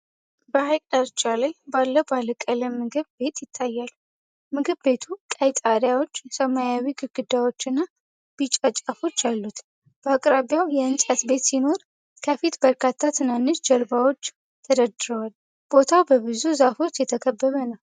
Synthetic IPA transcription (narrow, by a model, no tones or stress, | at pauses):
bəhajkʼd̪aɾt͡ʃʼalajbalːəbaləkʼələmɨɡɨβbe̞t̪jɪt̪ʰːajːal | mɨɡɨβbe̞t̪ʰukʼajt̪ʼaɾjawo̞t͡ʃːjɛsəmajawiɡɨɾɡɨd̪ːawo̞t͡ʃːɨnːa | b̥it͡ʃʼat͡ʃʼafo̞t͡ʃːjalːut̪ | b̥əakʼɾaβjawjɛɨnsʼat̪be̞t̪sino̞ɾ | kʰəfit̪bəɾkʰat̪ʰːat̪ʰɨnanːɨʃd͡ʒəɾbawo̞t͡ʃː | t̪ʰəd̪əd̪ɨɾəwal | b̥o̞t̪ʰawbəbɨzuzafo̞t͡ʃːjɛt̪ʰəkʰəbːəβənəw